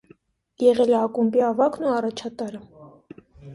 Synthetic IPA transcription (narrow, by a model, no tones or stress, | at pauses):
jɛʁɛlɛɑkumpiɑvɑknuɑrɑt͡ʃʰɑt̪ɑɾə